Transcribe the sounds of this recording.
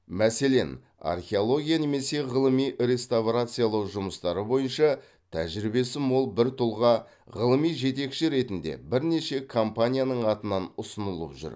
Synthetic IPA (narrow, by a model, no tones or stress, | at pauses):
mæse̞le̞n | a̰rχʲe̞o̞lˠo̞ɡʲijane̞me̞se̞ʁəlˠəmijɾe̞st̪avrat̪sɨjalˠɑwʒʊməst̪ɑɾəbo̞jənʃɑ | t̪ʰæ̰ʒɾibe̞sɪmwo̞lˠbɪɾt̪ʰʊlˠʁɑ | ʁəlˠəmijʒe̞t̪e̞kʃɪɾe̞t̪ɪnd̪e̞̰bɪɾne̞ʃe̞kʰo̞mpanʲijanəɴɑt̪ənɑnʊsənəlˠə̰pʒʏ̰ɾ